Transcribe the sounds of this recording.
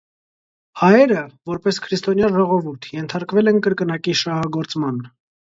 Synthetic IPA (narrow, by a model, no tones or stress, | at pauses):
hɑjɛɾəvɔɾpɛskʰɾist̪ɔnjɑnʒɔʁɔvuɾt̪ʰjɛnt̪ʰɑɾkvɛlɛnkəɾkənɑkiʃɑhɑɡɔɾt͡smɑn